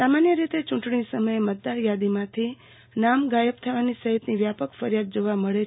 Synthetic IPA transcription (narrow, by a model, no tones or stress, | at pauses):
samanjəɾit̪et͡ʃũʈɳisəməjemət̪̚d̪aɾjad̪imãt̪ʰi | namɡajəpt̪ʰəʋanisəɦit̪niʋjapəkfəɾjad̪̚d͡ʒoʋaməɭe